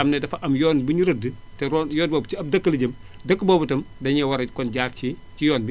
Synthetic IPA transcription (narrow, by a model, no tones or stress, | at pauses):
ɐmnɛdɐfɐʔɐmjɔːnbuɲuɾɐdətɛɾɔnjɔːnbɔːbiɐb̚dɐkːəlɐɟɐmdɐkːbɔːbɐtɐmdɐɲɛwɐɾɐkɔnɟaːrci | cijɔːnbi